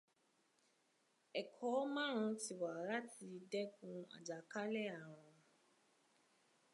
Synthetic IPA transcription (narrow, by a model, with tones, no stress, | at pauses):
ɛ˨kʰɔ˨˦mã˦ɾ̃ã˧ti˨wa˨ɾa˦ti˧dɛ˦kũ˧a̰˨d͡ʒa˨ka˦lɛ˦˨a˨ɾ̃ã˧